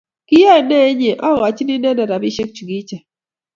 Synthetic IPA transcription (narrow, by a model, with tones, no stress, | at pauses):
ki˦ja˦˨ne˦ɲe˨ʔɔ˦˨wa˨t͡ʃi˦ni˦nɛ˦da˨ɾa˨bi˦ʃe˦k̚t͡ʃu˨ɡi˦t͡ʃa˨